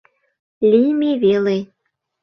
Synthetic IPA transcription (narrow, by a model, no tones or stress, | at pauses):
lʲijmeβele